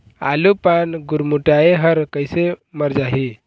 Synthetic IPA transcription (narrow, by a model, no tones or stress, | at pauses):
a̰lupanɡuɾmuʈaeɦəɾkəjseməɾd͡ʒaɦi